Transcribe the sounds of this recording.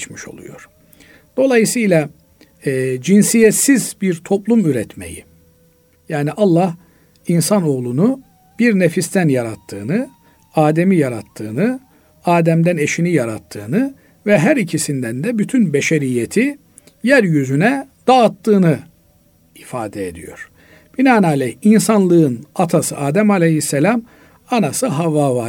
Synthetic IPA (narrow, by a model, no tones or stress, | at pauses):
t͡ʃmiʃo̞̰lˠṵjo̞̰ɾ̥ | d̪̥o̞lˠajɯsɯjlˠa | d͡ʒinsijɛt̪sizbiɾt̪ʰo̞plˠumyɾɛt̪me̞̰jḭ | jaːniʔɑlˠːah | insano̞ɣlˠunu | b̥iɾnefist̪ʰænjaɾat̪ʰːɯːnɯ | aːd̪e̞mijaɾat̪ʰːɯːnɯ | aːd̪æmd̪æne̞ʃinijaɾat̪ʰːɯːnɯ | vɛɦæɾicʰisind̪ænd̪ɛbyt̪ʰynbeʃeɾijːet̪ʰi | jæɾjyzynɛd̪̥aːt̪ːɯːnɯ | ifaːd̪ɛed̪ḭjo̞̰ɾ̥ | b̥inaːnalʲɛhinsanlˠɯɯnat̪ʰasɯʔaːd̪æmalʲehisːelʲam | anasɯɦavːaːva